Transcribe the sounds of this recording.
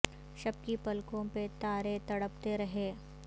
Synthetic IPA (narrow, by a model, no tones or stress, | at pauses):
ʃɐb̚kipɐlkõpet̪aːɾet̪ɐɽəp̚t̪eɾɐɦeː